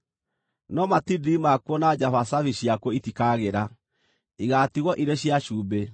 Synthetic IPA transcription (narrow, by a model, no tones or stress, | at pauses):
nɔmatidimakwɔnad͡ʒafasaviɕjakwɔitikaɣeɾa | iɣatiɣɔʔiɾeɕjaʃuːbe